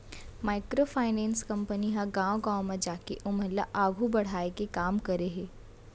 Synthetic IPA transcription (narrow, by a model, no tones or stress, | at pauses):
maːɪkɾofʰaːɪnɛ̃ːnskɐ̃mpəniɦãɡãːõɡãːõmẽd͡ʒaːkeʔʊməlːa̰ʔaːɡʱubɐɽ̤aːekekaːmkɐɾeɦɛː